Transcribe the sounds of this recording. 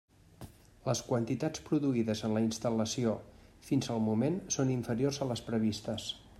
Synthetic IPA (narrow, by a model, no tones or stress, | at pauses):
ləskwənt̪it̪at͡spɾuðuiðəzənləinst̪ələsiofinzəlˠmumensoniɱfəɾijorzələspɾəβist̪əs